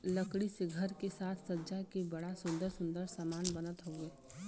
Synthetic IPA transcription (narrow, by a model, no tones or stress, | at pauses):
ləkɽiseɡʱɐɾkesaːt̪ʰsɐd͡ʒakebɐɽasʊ̃nd̪əɾsʊ̃nd̪əɾsamaːnbənət̪ɦoɡeː